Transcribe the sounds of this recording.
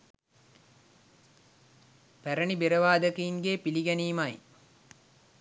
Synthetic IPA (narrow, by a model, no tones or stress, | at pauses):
pæɾəɳibeɾəʋaːd̪əkəiŋɡeːpiliɡæniːmaj